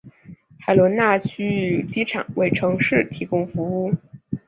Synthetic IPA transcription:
xa˨˩ɪlwɔ˧˥nna˥˩t͡ɕʰy˥t͡ɕi˥ʈ͡ʂʰɑ̰˨˩˦ŋwe˥˩ɪʈ͡ʂʰɤ˧˥ŋʂɻ̩˥˩t̪ʰi˧˥kʊ˥ŋfu˧˥u˥˩

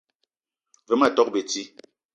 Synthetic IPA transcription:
ve˨˦ma˦˨tɔ˦k̚be˨ti˦

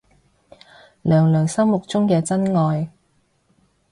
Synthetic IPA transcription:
lœː˨˩ŋlœː˨˩ŋsɐ˥mmʊ˨k̚t͡sʊ˥ŋkɛː˧t͡sɐ˥nŋɔː˨˧j

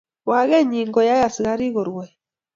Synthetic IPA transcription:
wa˨ɣɛ˦ɲi˨ŋɡɔ˨ja˦ja˨si˨ɣa˦ɾi˦ɣɔ˨ɾwɛ˨

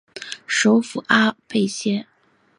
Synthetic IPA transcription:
ʂo˧˥ʊfu˨˩ʔa˥pe˥˧ɪɕjɛ˥

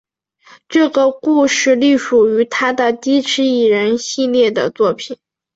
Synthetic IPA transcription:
ʈ͡ʂɤ˥˩ɡə˩ku˥˧ʂɻ̩˥˩li˥˩ʂu˨˩y˧˥t̪ʰa˥d̪ə˨t̪i˥ʈ͡ʂʰɻ̩˧˥i˨˩ɻə˧˥nɕi˥˧ljɛ˥˩d̪ə̰˩t͡swɔ˥˩pʰi˨˩n

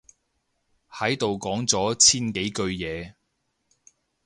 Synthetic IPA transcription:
hɐ˨˥jt̪o˨wkɔː˨˥ŋt͡sɔː˨˥t͡sʰiː˥nke˨˥jkɵ˧ɥjɛː˨˧

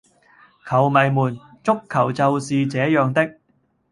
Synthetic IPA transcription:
kʰɐ˨˩wmɐ˨jmuː˨˩n | t͡sʊ˥kʰːɐ˨˩wt͡sɐ˨˧wsiː˨˧t͡sɛː˨˥jœː˨ŋt̪ɪ˥k̚

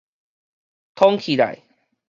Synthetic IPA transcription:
t̪ʰɔ˦ŋkʰi˨la̰˨˩j

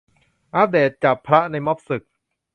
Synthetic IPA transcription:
ʔaː˦˥p̚deː˨˩t̪̚t͡ɕa˨˩pʰːɾa˦˥ʔna˧jmɔ˦˥p̚sɯ˨˩k̚

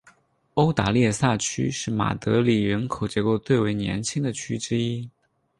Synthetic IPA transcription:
o˥ʊt̪a˧˥ljɛ˥˧sa˥˩t͡ɕʰy̰˥ʂɻ̩˥˩ma̰˨˩t̪ɤ˧˥li˨˩ɻə˧˥nkʰo˨˩ʊt͡ɕjɛ˧˥ko˥˧ʊt̪we˥˩ɪwe˧˥ɪnjɛ̰˧˥nt͡ɕʰi˥ŋd̪ə˨t͡ɕʰy˥ʈ͡ʂɻ̩˥i˥

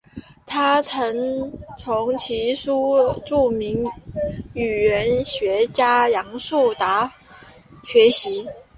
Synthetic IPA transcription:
t̪ʰa˥t͡sʰɤ˧˥ŋt͡sʰʊ˧˥ŋt͡ɕʰi˧˥ʂu˥ʈ͡ʂu˥˩mi˧˥ŋ | y˨˩ɥə˧˥nɕɥɛ˧˥t͡ɕja˥jɑ˧˥ŋsu˥˩t̪a˧˥ | ɕɥɛ˧˥ɕi˧˥

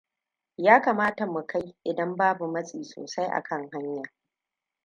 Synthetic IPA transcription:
jaː˦kaː˨maː˦ta˨mu˨kʰa˦jʔɪ˨dɐ˦mbaː˦bu˨mɐ˦sʼiː˨so̰ː˨sa˦jʔa̰˨kɐ˦˨ŋɦa˦ɲja˨

